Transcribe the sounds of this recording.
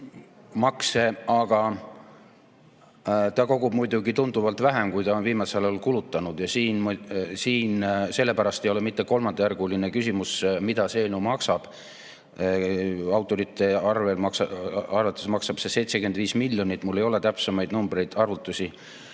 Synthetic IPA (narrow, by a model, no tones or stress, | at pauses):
mɑkse̞ɑɡ̥ɑ | t̪ɑko̞ɡub̥̚mujd̪uɡit̪und̪uvɑlt̪væɦemkujt̪ɑo̞nviːmɑselolkulut̪ːˑɑnud̪̥jɑsiːnmsiːnse̞lːe̞pæɾɑst̪e̞jo̞le̞mit̪ːe̞ko̞lmɑnd̪ɑjærɡulinekysʲimusmid̪̥ɑseelnumɑksɑb̥ | ɑwt̪ˑːo̞ɾit̪ˑːe̞ɑrve̞lmɑksɑrvɑt̪ːˑusmɑksɑb̥se̞se̞jt̪se̞kyenviːsmilːjo̞nit̪ːˑmulːe̞jo̞le̞t̪æpsemɑjd̪numbɾe̞jd̪̥ɑrvut̪ːˑusʲi